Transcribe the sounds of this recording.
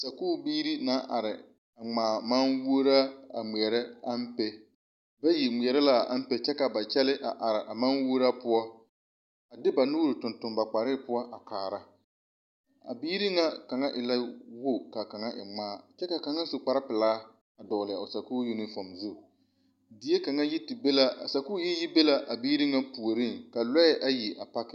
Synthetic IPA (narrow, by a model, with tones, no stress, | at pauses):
sa˨kuː˦˨biː˦ɾi˦na˨˦ʔa˨ɾɪ˨ | a˨ŋ͡maː˨ma˦nwo˦ɾa˦a̰˨mi˨ɛ˨ɾɛ˦a˦m˦pɛ˦ | ba˦ji˨ŋ͡mi˨ɛ˨ɾɛ˦la˦˨a̰˦m̩˦pɛ˦t͡ʃɛ˦ka˨ba˨t͡ʃɛ˦lɪ˦ʔa˨ʔa˨ɾɪ˨ʔa˨ma˦nwo˦ɾa˦pʊ˦ɔ˦ | a˨dɪ˦ba˨nuː˦ɾu˨tʊ˨ntʊ˨mba˨k͡pa˨ɾɪ˦pʊ˦ɔ˦ʔa˨kaː˨ɾa˦ | a̰˨biː˦ɾi˦ŋa˦ka˨ŋa˦ʔɪ˨la˦wo˦˨ka˨ka˨ŋa˦ʔɪ̰˨maː˦t͡ʃɛ˦ka˨ka˨ŋa˦sʊ˨k͡pa˨ɾɪ˦pɪ˨laː˦ | a˨dɔː˨lɪ˨a̰˨ʊ˨sa˨kuː˦ji˦nɪ˦fɔ˨mzu˦˨ | dɪ˨˦e˦ka˨ŋa˦ji˦tɪ˨be˦la˦a˨sa˨kuː˦ji˦ji˦be˦la˦ʔa˨biː˦ɾi˦ŋa˦pu˨o˨ɾi˦˨ŋka˨lɛ˦ɪ˦ʔa˨ji˨ʔa˨pa˦kɪ˨